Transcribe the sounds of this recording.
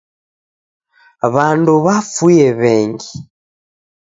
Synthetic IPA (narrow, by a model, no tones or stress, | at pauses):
βanduβafujɛβɛŋɡi